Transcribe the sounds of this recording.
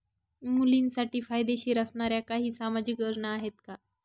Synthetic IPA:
mulinsaʈiːfajd̪eɕiːɾəsɳaɾjakaɦiːsamad͡ʑikəɾɳaːɦet̪ka

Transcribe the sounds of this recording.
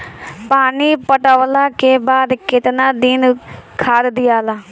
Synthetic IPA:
paːniːpəʈəːlaːkeːbaːd̪kɪt̪naːd̪ɪnkʰaːd̪d̪ɪjaːlaː

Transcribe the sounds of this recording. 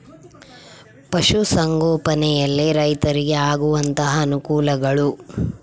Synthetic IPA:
pɐʃusɐŋɡɔːpɐnɛjɐlːiɾɐjt̪ɐɾiɡe̞aːɡuʋɐnt̪ɐɦɐːnukuːlɐɡɐɭu

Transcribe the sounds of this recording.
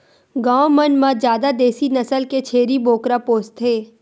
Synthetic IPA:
ɡãːomənmãd͡ʒjaːd̪ad̪eːsinɐsəlket͡ʃʰeːɾiboːkɾapoːst̪ʰːeː

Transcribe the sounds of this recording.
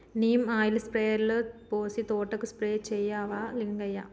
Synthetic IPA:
niːmaːjilɐspɾeːɐɾlpoːsit̪oːʈːɐkːuspɾeːt͡ʃɛjːaːʋaːliŋɡɐjːa̰ː

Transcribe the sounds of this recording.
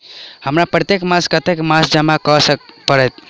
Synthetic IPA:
həmɾapɾət̪ekmãskət̪ekmasd͡ʒəmakəsəpəɾɛt̪

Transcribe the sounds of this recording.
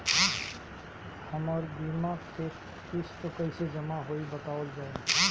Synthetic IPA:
həmaɾb̪imaːɡse | kɪst̪okəɪsed͡ʒəmaɦoːibət̪aːəld͡ʒaːe

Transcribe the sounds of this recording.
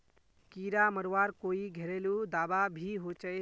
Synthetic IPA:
kiɾaməɾwaɾkoiɡʱeɾelud̪ababʱiɦot͡ʃə

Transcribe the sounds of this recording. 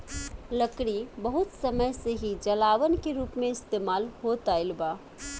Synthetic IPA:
ləkɾibəɦut̪səməjseɦid͡ʒəlaʋənkeɾupmeist̪emalɦot̪aɪlba

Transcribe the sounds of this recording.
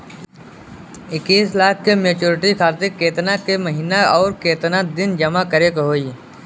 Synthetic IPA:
ɪkːiːslaːkʰːemeːt͡ʃoːɾɪʈikʰaːɾt̪ɪkːeːt̪nakeməɦiːnaɔːɾkeːt̪nad̪ɪnd͡ʒɐmakəɾekɦoːiː

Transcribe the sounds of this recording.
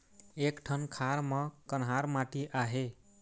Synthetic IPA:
ekʈʰʌnkʰaɾmʌkənɦaɾmaʈiʔaɦe

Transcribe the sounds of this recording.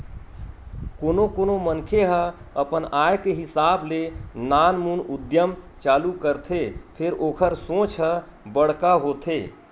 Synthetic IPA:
koːnokoːnomənkʰeɦəəpənaːjkeɦɪsaːblenaːnmuːnʊd̪jəmt͡ʃaːlukəɾt̪ʰepʰɪɾoːkʰəɾsõːt͡ʃʰɦə | bəɽkaɦoːt̪ʰeː

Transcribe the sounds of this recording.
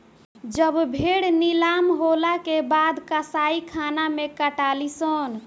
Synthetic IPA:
d͡ʒəbbʱeɽnilamɦolakebad̪kəsaikʰanamekəʈalisən

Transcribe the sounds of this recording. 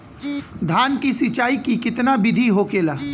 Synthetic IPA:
d̪ʱaːnkisɪt͡ʃaːikikɪt̪nabɪd̪ʱiɦoːkeːlaː

